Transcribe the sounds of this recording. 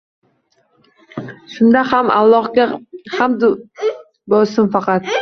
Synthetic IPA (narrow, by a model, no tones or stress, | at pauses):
ʃʊnd̪ahama̰lˠːɒχɡʲahamd̪ | bɒsɪmfɑqʰɑt̪̚